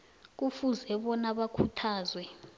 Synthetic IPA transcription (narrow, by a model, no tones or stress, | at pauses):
k̬ufuzɛɓɔnaɓakʰutʰaːzwɛ